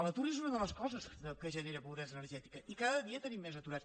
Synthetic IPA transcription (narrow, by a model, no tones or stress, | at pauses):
lət̪uɾizunəðələskɔzəsðəkəʒəneɾəpuðɛnz̬ənəɾʒɛt̪ikəʔikaðəðiət̪ənimːeznət̪uɾat͡s